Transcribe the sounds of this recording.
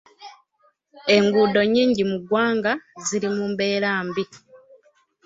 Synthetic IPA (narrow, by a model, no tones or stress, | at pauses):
e̞ŋɡuːdo̞ɲːiːɲɟimuɡwaːŋɡaziɾimumbe̞ːɾaːmbi